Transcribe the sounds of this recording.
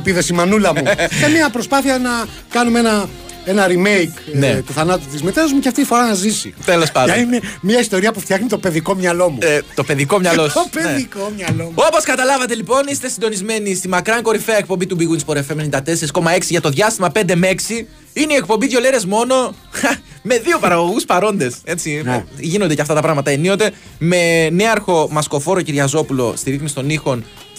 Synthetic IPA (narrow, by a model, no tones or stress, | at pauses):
piðesimɐnulɐmusemɐpɾospɐθiɐnɐ | kɐnumeenɐ | enɐɾime̞jknnet̪uθɐnɐt̪ut̪izmet̪eɐzumeceɐft̪it̪ifo̞ɾɐnɐzisḭt̪elo̞spɐndɐinemɲɐist̪o̞ɾiɐpuft̪jɐxnit̪o̞pe̞ðiko̞mɲɐlo̞mut̪o̞pe̞ðiko̞mɲɐlosopeneðikomɲɐloo̞po̞skɐt̪ɐlɐvɐt̪e̞lipo̞nist̪e̞sind̪o̞nizme̞nist̪imɐkɾɐŋko̞ɾifeɐek̚po̞mbit̪ubiɣuinspo̞ɾefemenind̪ɐt̪ese̞ɾiskomɐe̞ksiʝɐt̪o̞ðʝɐst̪imɐpe̞nd̪eme̞ksi | ineie̞k̚pombiðʝo̞leɾe̞zmo̞no̞ | me̞ðio̞pɐɾɐɣo̞ɣuspɐɾo̞nd̪e̞se̞t͡siʝino̞nd̪ecɐft̪ɐt̪ɐpɾɐɣmɐt̪ɐenio̞t̪e̞ | me̞neɐɾxo̞mɐsko̞fo̞ɾociɾʝɐzo̞pulo̞̰st̪iɾiθmist̪o̞nixo̞n